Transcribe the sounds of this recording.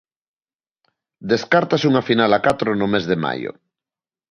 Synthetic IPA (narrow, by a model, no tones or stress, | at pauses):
d̪eskaɾt̪asuŋafinalakat̪ɾonomezðema̰jo̰